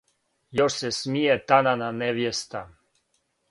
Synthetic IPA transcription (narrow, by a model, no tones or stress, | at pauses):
joʃsesmijet̪anananeʋjest̪a